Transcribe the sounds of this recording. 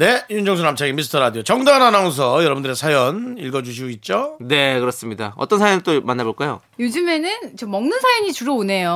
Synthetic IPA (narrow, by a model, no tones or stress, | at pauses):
ne̞jund͡ʑʌŋs̬ʰonamt͡ɕʰaɡemis̬ʰɯ̥tʰʌɾadiot͡ɕʌŋdananas̬ʰʌjʌɾʌbundɯɾe̞sʰajʌniɭɡʌd͡ʑuɕ̬ʰiɡoit̚t͡ɕ͈one̞kɯɾʌs͈ɯmɲidaʌ̰t͈ʌnsʰajʌnt͈omanːaboɭk͈ajo̰ | jod͡ʑɯme̞nɯnt͡ɕʌmʌŋnɯnsʰajʌɲit͡ɕuɾʌone̞jo